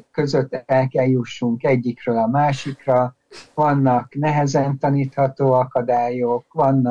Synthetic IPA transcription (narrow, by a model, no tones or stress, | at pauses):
kø̞zø̞t̪ːɛlkɛljuʃːuŋkɛɟːikrøːlɒmaːʃikrɒ | vɒnːɒknɛɦɛzɛnt̪ɒniːt̪hɒt̪oːɒkɒd̪aːjokʋɒnː